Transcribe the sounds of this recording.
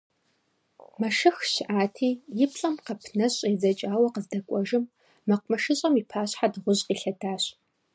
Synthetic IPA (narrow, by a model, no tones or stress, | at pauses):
mɐʃɨxʃɪʔaːtʰiːjɪpɬʼɐmqɐpʰnɐɕʼezɐt͡ʃʼaːwɐqəzdɐkʷʼɔʒɨmː | ɐqʷmɐʃɨɕʼɐmiːpʰaːɕħadʁʷʊʑʼqiːɬɐdaːɕʼ